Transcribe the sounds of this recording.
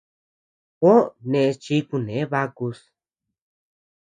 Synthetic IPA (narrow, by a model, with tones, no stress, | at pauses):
ko˦nẽ˧˨˧t͡ʃi˧˦ku˧nẽ˨˦βa˧ku˧s